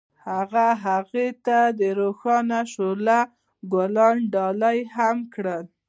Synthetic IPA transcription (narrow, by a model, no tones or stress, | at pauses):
haɣaɦaɣet̪ad̪əɾoxɑnaʃola | ɡalɑnɖɑlajhamkɽəl